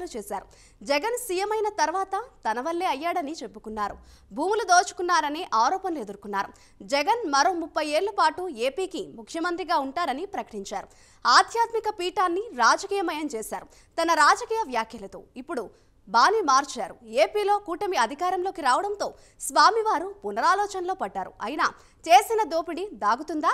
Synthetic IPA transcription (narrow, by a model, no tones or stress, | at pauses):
lut͡ʃeːsaːɾu | d͡ʒɛɡɐnsijemɐjnɐt̪ɐɾʋaːt̪ɐt̪ɐnɐʋɐlːeːɐjːaːɽɐnit͡ʃe̞pːukunːaːɾṵ | bʱuːmulud̪oːt͡ʃu̥kunːaːɾɐneːʔaːɾɔːpɐnled̪uɾkunːaːɾṵ | d͡ʒɛɡɐnmɐɾo̞ːmupːɐjeːɭːɐpaːʈue̞ːpiːkimukʰjɐmɐnt̪ɾiɡaːuɳʈaːɾɐnipɾɐkɐ̥ʈiɲt͡ʃaːɾu | aːd̪ʱjaːt̪mikɐpiːʈaːnːiɾaːd͡ʒɐkiːjɐmɐjɐmt͡ʃeːsaːɾu | t̪ɐnɐɾaːd͡ʒɐkiːjɐʋjaːkʰjɐlɐt̪o̰ːipːuɽu | baːnimaːɾt͡ʃaːɾue̞ːpiːlo̞ːkuːʈɐmiɐd̪ʱikaːɾɐmloːkiɾaːʋɐɽɐnt̪o̞ː | sʋaːmiʋaːɾupunɐɾaːlɔːt͡ʃɐnlo̞ːpɐɖːaːɾṵɐjnaː | t͡ʃeːsinɐd̪oːpiɽid̪aːɡut̪und̪aː